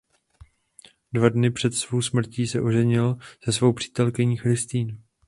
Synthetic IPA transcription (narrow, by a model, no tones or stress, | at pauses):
dvadnɪpr̥ɛt̪svo̞wsmr̩ciːsɛʔo̞ʒɛɲɪlz̥ɛsvo̞wpr̝̥i̥ːt̪ɛlkɪɲiːxɾɪst̪iːn